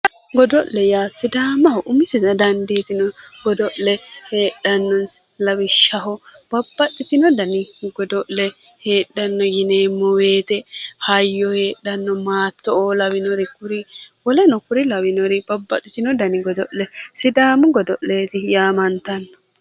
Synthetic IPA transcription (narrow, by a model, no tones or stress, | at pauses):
ɡɔd̪ɔʔlːɛjaːsɪd̪aːmːɐhɔʔʊmɪsɪdɐd̪ɐnd̪it̪ɪnɔɡɔd̪ɔʔlɛhe̞ːɗːɐnːɔns | lɐwɪʃːɐɦɔb̥ɐbːɐtːɪt̪ɪnɔd̪ɐnɪɡɔd̪ɔʔlɛ | he̞ːɗːɐnːɔjɪneːmːɔweːt̪ɛhɐjːɔhe̞ːɗːɐnːɔmaːt̪ːɔolɐwɪnɔɾɪkʊɾɪwɔlɛnɔkʊɾɪlɐwɪnɔɾɪb̥ɐbːɐt̪ːɪt̪ɪnɔd̪ɐnɪɡɔd̪ɔʔlɛsɪd̪aːmɐɡɔd̪ɔʔleːt̪ɪjaːmɐnt̪ɐnːɔ̥